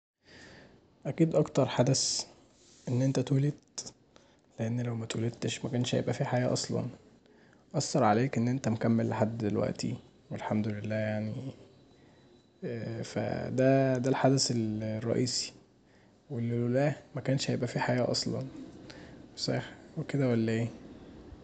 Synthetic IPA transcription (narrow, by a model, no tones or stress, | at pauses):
ʔækiːd̪ʔɑkt̪ɑɾˤħad̪æs | ʔenːʔent̪æt̪oːlet̪ | leʔenːlæwmæt̪oːlet̪ːeʃmækæːnʃjḛbʔæfiħajæːʔɑsˤlɑ̰n | ʔɑsːɑɾˤʕaleːkʔenːʔent̪æmkæmːelːeħad̪ːd̪elwæ̰ʔt̪ʰḭ | welħamd̪olelːæːjaʕni | fæ̰d̪æd̪ælħad̪æselrˤːɑ̰ʔiːsi̥ | welːllæmækæːnʃjebʔæfiːħajæːʔɑsˤlɑ̰n | wesˤɑxweked̪æwælːæʔeː